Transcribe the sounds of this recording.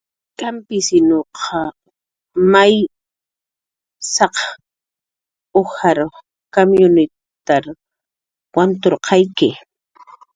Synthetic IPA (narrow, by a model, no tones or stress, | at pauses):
kampɪsɪnoqʰɑ | maj | sɑq | ohaɾ | komjʊnɪ | t̪aɾ | want̪oɾqʰɑjkɪ